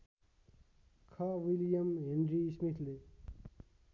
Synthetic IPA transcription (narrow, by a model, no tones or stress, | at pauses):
kʰʌʋiljəmɦẽnɾiːsmit̪ʰle